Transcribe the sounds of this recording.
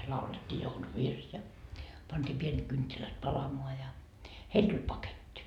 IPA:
lɑuletʲːiː jouluʋirs jɑ pɑntiː pienet kyntːilæt pɑlɑmoɑ jɑ heil tulʲ pɑketʲːi

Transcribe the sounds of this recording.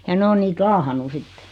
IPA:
jɑ ne o niːt lɑːhɑnːu sitːe

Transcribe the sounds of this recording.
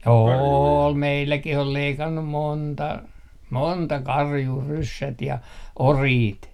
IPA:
oːl meilːækih ol leikɑnːum montɑ montɑ kɑrjuː rysːæt jɑ oriːt

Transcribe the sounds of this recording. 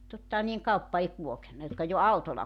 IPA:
totːɑhɑn niːeŋ kɑupːɑ ei kulokenːɑ jotkɑ jo ɑutolˑɑ

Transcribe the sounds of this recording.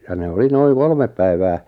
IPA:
jɑ ne oli noiŋ kolmep̆ pæiʋæː

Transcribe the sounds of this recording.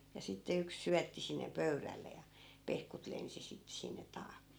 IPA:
jɑ sitːe yks syætːi sinːe pøyrælːe jɑ pehkut lensi sitːĕ sinːe tɑːkːe

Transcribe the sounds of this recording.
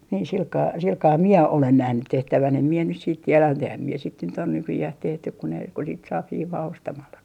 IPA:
niːn silkɑː silkɑː mie olen næhnyt tehtæʋæn em mie nys siːt tielæm mut ehæm mie sit nyt o nykyjæh tehtyk ku ne ku sit sɑːp hiːʋɑː ostɑmɑlːɑki

